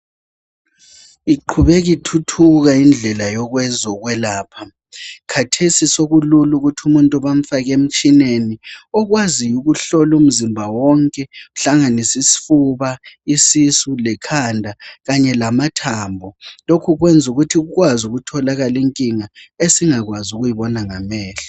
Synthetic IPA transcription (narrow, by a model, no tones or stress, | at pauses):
iǃʰuβɛɣitʰutʰuɣaind͡ɮʱɛlajɔɣwɛzɔɣwɛlaːpʰa | kʰatʰesisoɣululuɣutʰumuntʼuβam̩faɣem̩t͡ʃʼineniɔɣwazijuɣuɬɔlum̩zimbʱawɔŋkʼɛuɬaŋanisisi̥fuβaisisulɛkʰandʱaɣaɲɛlamatʰaːmbʱɔlokʰuɣwɛnd͡zʱuɣutʰiɣuɣwazuɣutʰɔlaɣaliŋkʼiŋaesiŋaɣwazuɣujiβɔnaŋamɛːɬḁ